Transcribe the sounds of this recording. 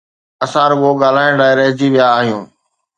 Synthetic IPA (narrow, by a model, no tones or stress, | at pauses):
ɐsãːɾɪboːɠaːl̤aːɪ̃ɖaːɪɾəɦɪd͡ʑiʋɪjaːɦijũː